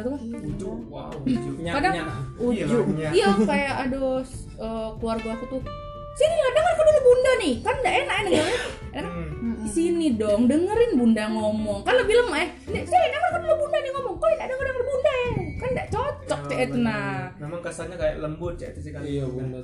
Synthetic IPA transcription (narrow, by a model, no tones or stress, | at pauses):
t̪ukanuuwa̰ | d͡ʒɲkadaŋud͡ʒd͡ʒuɲaijakajaʔados | əkluarɡakit̪u | sinid͡ʒuŋadəŋərkabilabundanɪkandaʔenaʔkɛdəŋəra | enaksinidɔŋdəŋəɾɪnbundaŋomɔŋkanləbiləmajɛh | dasiinaŋarkabiləbundanɪŋɔmɔŋkoinadəŋədəŋərbundajakandaʔt͡ʃɔt͡ʃɔk̚t͡ʃaʔɛt̪nanamaŋkasalɲakaja̰ʔləmbʊt̪̚t͡ʃat̪si